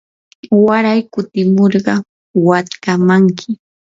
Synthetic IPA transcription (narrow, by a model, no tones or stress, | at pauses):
waɾajkʊt̪ɪmoɾɢɑ | wat̪kamaŋkʰɪ